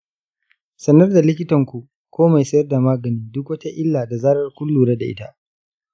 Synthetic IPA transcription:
sɐ˦nɐ˦rda˨lɪ˦kʲɪ˦tɐ˨ŋkʷu˨ʔ | kʷoː˦ma˨jsɐ˦jɐ˦rda˨maː˦ɡɐ˨niː˦dʊ˦k̬wɐ˦ta˦ʔɪ˦lːaː˨da˨zaː˦ɽɐ˦rkʷʊ˦lːuː˨ɽa˦da˨ʔɪ̰˦ta˦ʔ

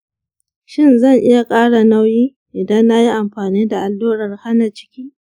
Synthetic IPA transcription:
ʃɪ˦nzɐ˦˨ŋʔɪ˦ja˨kʼaː˦ɽa˨na˦wjiː˦ | ʔɪ˨dɐ˦nːa˦ji˦ʔa˨mɸaː˨niː˦da˨ʔa˨lːoː˦ɽɐ˨rha˦na˨t͡ʃɪ̥˦kʲiː˦

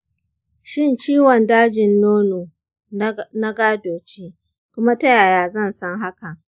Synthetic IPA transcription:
ʃɪ˦nt͡ʃiː˦wɔ˨ndaː˦d͡ʒɪ˨nːoː˦noː˨ | na˦ɡaː˦doː˨t͡ʃeː˦ | kʷʊ˦ma˦tɐ˦ja˨jaː˨zɐ˦˨nsɐ˦ŋɦa˦ka˨

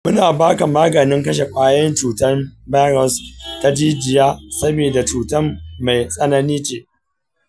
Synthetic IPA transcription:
mʊ˦naː˨baː˦ka˨maː˦ɡɐ˨nɪ˦ŋkɐ˦ʃ̬e˨kʷʼaː˦jɐ˦nt͡ʃuː˨tɐ˦rbaː˦ɾɔ˨sta˦d͡ʒiː˦d͡ʒɪ˨jaː˦sɐ˦beː˨da˨t͡ʃuː˨tɐ˦mma˨jsʼɐ˦nɐ˦niː˦t͡ʃeː˦

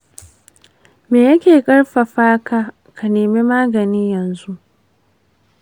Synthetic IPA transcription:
meː˨jɐ˦kʲeː˨kʼɐ˦ɽɸa˨ɸaː˦kaː˦ | ka˨neː˨meː˦maː˦ɡɐ˨niː˦jɐ˨nzu˦ʔ

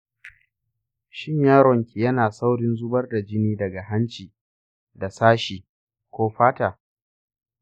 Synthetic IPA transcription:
ʃɪ˦ɲjaː˦ɾɔ˨ŋkʲi˨jɐ˦naː˨sa˦wɽɪ˦nzʊ˦bɐ˦rda˨d͡ʒɪ˦niː˦dɐ˨ɡa˨ɦa˦nt͡ʃiː˨ | da˨saː˦ʃiː˨ | kʷoː˦ɸaː˦taː˨

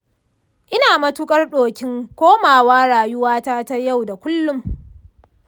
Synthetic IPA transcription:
ʔɪ˦naː˨mɐ˦tʊ˦kʼɐ˦rɗoː˨kʲɪ˦ŋkʷoː˦maː˨waː˦ɽaː˨jʊ˦waː˦taː˦ta˦ja˦˨wda˨kʷʊ˦lːʊ˦m

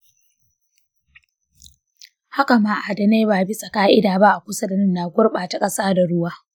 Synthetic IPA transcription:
ha˦ka˨maː˦ʔa˨da˨neː˦baː˨bi˦sʼɐ˨kaː˦ʔɪ˦daː˨ba˦ʔa˨kʷʊ˦sɐ˦da˨nɪ˦nːaː˨ɡʷʊ˦rɓaː˨ta˨kʼɐ˦saː˦da˨ɽʊ˦waː˦

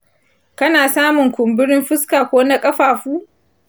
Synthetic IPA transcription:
kɐ˦naː˨saː˦mʊ˨ŋkʷʊ˨mbɪ˦ɾɪ˦mɸɪ˦skaː˨kʷoː˦na˦kʼɐ˦ɸaː˨ɸuː˦

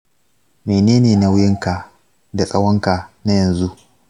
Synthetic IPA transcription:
meː˨neː˦neː˨na˨wʊ˦jɪ˦ŋka˨ | da˨sʼɐ˦wɐ˦ŋka˨na˦jɐ˨nzu˦ʔ

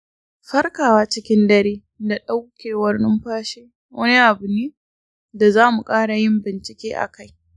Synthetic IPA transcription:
ɸɐ˦rkaː˨waː˦t͡ʃɪ˦kʲɪ˦ndɐ˦ɾeː˦ | da˨ɗa˦wkʲeː˨wɐ˦rnʊ˦mɸaː˦ʃeː˦ | wɐ̰˦ni˦ʔa˨bʊ˨niː˦ | da˨zaː˦mu˨kʼaː˦ɽa˨jɪ˦mbɪ˨nt͡ʃɪ˨kʲeː˦ʔa̰˨ka˦j

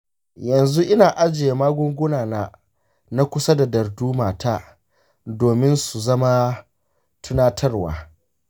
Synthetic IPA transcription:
jɐ˨nzu˦ʔɪ˦naː˨ʔa˦d͡ʒɪ˨je˨maː˦ɡʷʊ˦ŋɡʷʊ˦naː˨naː˦ | na˦kʷʊ˦sa˦da˨dɐ˨rduː˦maː˨taː˦ | doː˨mɪ˦nsu˨zɐ˦ma˦ | tʊ˦naː˦tʰɐ˦rwa̰ː˨

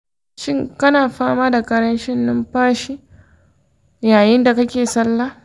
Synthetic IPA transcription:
ʃɪ˦ŋkɐ˦naː˨ɸaː˦maː˦da˨kʼɐ˦ɽɐ˦nʃɪ˦nːʊ˦mɸaː˦ʃi˦ | jaː˨jɪ˦nda˨kɐ˦kʲeː˨sɐ˦lːaː˦

